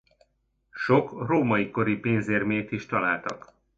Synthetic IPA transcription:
ʃokroːmɒjiko̞ɾipeːnzeːrmeːt̪iʃt̪ɒlaːlt̪ɒ̰k

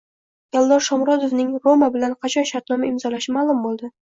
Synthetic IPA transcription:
jalˠd̪ɒɾʃɒmɾɒd̪ovnɪŋɾomabɪlanqʰɑt͡ʃʰɒnʃaɾt̪nɒmaɪmzɒlaʃɪmalˠʊmbolˠd̪ɪ

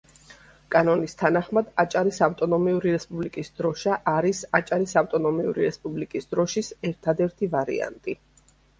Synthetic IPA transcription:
kʼanɔnist̪ʰanaχmad̪at͡ʃʼaɾisaft̪ʼɔnɔmiuɾiɾɛspʼublikʼisd̪ɾɔʃaʔːɾisat͡ʃʼaɾisaft̪ʼɔnɔmiṵɾiɾɛspʼublikʼisd̪ɾɔʃisɛɾt̪ʰad̪ɛɾt̪ʰivaɾḭa̰nt̪ʼi

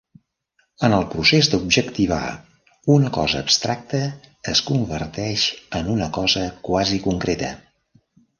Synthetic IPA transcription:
ənəlˠpɾusezd̪əubʒəkt̪iβa̰ | unəkɔzəːpst̪ɾak̚t̪əːskumbəɾt̪ɛʃənunəkɔzəkwazikuŋkɾet̪ə̰

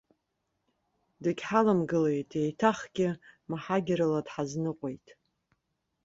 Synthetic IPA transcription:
dɨkʲħalamɡɨlejtʰʼejtʰaχɡʲɪmaħaɡʲɪɾaladħaznɨqʷʼojtʼ

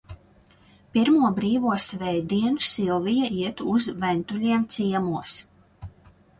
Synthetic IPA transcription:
piɾmuɔbɾiːvuɔsvɛjd̪iɛnusilˠvijaiɛt̪uzvɛnt̪ulʲiɛmt̪siɛmuɔs

